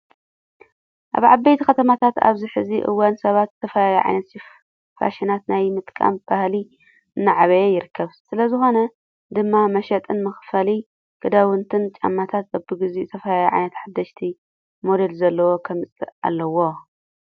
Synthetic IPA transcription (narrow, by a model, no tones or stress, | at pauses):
ʔa̰βʕabːɐjt̪ʰikɐt̪ʰɐmat̪ʰat̪a̰βziħɨziʔɨ̰wːansɐβat̪zɨt̪ʰɐfɐlajuʕa̰jnɐt̪if | fa̰ʃinat̪najmɨt̪ʼkʼa̰mb̥ahli | ʔɨnːɨʕaβɐjejɪɾɨkʰːɐβsɨlɐzɨxo̞nɐ | d̪ɨmːamɐʃɐt̪ʼɨnmɨxfɐli | ɡ̥ʰɨd̪awɨnt̪ʰɨnt͡ʃʼa̰mːat̪ʰat̪̚ɐbɨɡɨziɨt̪ʰɐfɐlajuʕa̰jnɐt̪ħad̪ːɐʃt̪ʰi | mo̞d̪e̞lzɐlːɐwo̞kʰɐmɨt͡sʼɨ̰a̰lːɐwo̞